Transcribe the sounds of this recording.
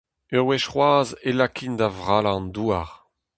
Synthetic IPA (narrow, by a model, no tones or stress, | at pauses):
øʁwɛʃχwaːzelakʰind̪avʁaːlaɑ̃nd̪uaʁ